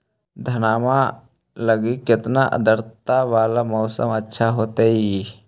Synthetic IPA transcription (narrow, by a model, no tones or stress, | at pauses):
d̪ʱɐnaːma | ləɡikɪt̪naʔə̰d̪əɾt̪aʋaːlamɔːsə̰mətːʃʰaɦoːt̪eɦi